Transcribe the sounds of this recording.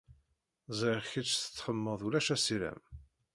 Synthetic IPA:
zˤʕɪʁçit͡ʃːθə̥t͡sːħəmːəðˤulæʃæsiɾæ̰m

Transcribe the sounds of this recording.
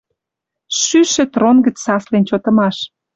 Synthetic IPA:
ʃyʃĕt̪ronɡə̆t͡ssɑslent͡ɕot̪ə̆mɑʃ

